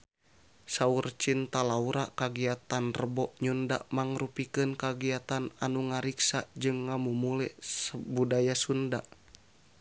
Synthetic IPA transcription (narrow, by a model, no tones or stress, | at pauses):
saurt͡ʃint̪alauɾakaɡiat̪anrəbɔʔɲunda̰ʔmaŋrupikɨnkaɡiat̪ana̰nuŋaɾiksad͡ʒɨŋːamumulɛsəbudajasunda